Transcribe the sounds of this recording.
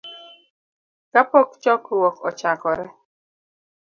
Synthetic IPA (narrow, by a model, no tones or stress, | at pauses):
kapɔkt͡ʃɔkuwɔkʰɔt͡ʃakɔɾɛ